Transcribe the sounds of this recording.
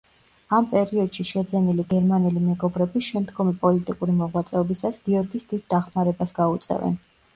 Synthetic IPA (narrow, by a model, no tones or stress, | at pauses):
ampʼɛɾiɔd̪̥ʃiʃɛd̪zɛniliɡɛɾmanɛlimɛɡɔbɾɛbiʃɛmd̪ɡɔmipʼɔlit̪ʼikʼuɾimɔʁwat̪sʼɛɔbisasɡ̥iɔɾɡisd̪id̪̚ːaχmaɾɛbasɡaut̪sʼɛ̰vɛ̰n